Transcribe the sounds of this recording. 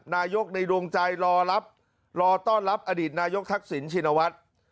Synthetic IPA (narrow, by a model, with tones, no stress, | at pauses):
naː˧jo˦˥k̚na˧jɾu˧əŋt͡ɕa˧jɾɔː˧la˦˥p̚ | ɾɔː˧t̪ɔː˥˩nɾa˦˥p̚ʔa˧diː˨˩t̪̚naː˧jo˦˥k̚t̪ʰa˦˥k̚si˩˦nt͡ɕʰiː˧na˧wa˦˥t̪̚